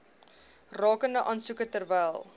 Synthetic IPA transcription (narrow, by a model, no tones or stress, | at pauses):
rɑːkəndəʔɑnsukətərvɛjlˠ